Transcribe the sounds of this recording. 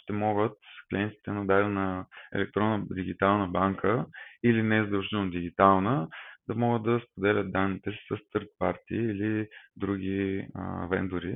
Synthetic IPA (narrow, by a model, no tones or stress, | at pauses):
ʃt̪ɛmɔɡət̪klʲiɛnt̪i̥t̪ɛnɐd̪aɾɛnɐɛ̰lɛk̚t̪ɾɔnːəd̪iɡʲit̪alˠnəbaŋkʰəilinɛzəd̪ɐlˠʒinod̪iɡʲit̪alˠnəd̪ɐmɔɡəd̪̚d̪ɐspod̪ɛlʲət̪̚d̪anːit̪ɛsi̥sɐst̪əɾt̪̚pa̰ɾt̪iːlid̪ɾuɡʲḭ | vɛ̰nd̪ʊɾi